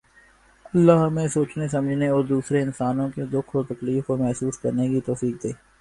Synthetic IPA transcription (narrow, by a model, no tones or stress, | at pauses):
ɐlːaɦɐmẽsoːt͡ʃnesɐməd͡ʒʱneoːd̪uːsɾeɪnsaːnõked̪ʊkʰoːɾt̪ɐkliːfkomɛɦsuːskɐɾnekit̪ɔːfiːk̚t̪ʰeː